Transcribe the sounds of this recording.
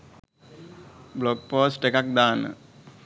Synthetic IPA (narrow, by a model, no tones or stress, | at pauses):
blok̚poːsʈekak̚d̪aːnə̰